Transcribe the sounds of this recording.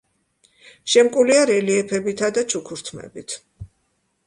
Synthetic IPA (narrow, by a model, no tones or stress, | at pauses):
ʃɛmkʼuliaɾɛliɛpʰɛbit̪ʰad̪at͡ʃʰukʰuɾt̪ʰmɛ̰bit̪ʰ